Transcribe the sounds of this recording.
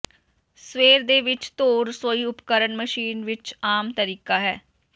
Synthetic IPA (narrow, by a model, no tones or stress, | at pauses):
sʋeːɾd̪eːʋɪt͡ʃt̪oːɾsoːiːʊpkəɾənməʃiːnʋɪt͡ʃaːmt̪əɾiːkaːɦɛː